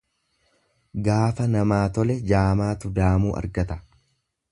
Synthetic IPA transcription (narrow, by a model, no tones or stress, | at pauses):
ɡaːfɐnɐmaːt̪ɔlɛd͡ʒaːmaːt̪ʊd̪aːmuːʔɐ̰ɾɡɐt̪ɐ̥